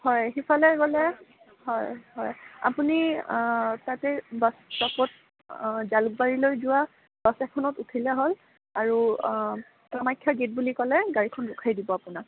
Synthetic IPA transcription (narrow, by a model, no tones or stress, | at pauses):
hɔjxipʰalɛɡɔlɛ | hɔjhɔja̰puni | tatɛbassɔkɔt̚ | zaluk̚baɹilojzʊwa | basɛkʰɔnɔtutʰilɛɦol | aɹu | tamajkʰːjaɡet̚bulikɔlɛɡaɹikʰɔnɹʊkʰajdibɔapunak̚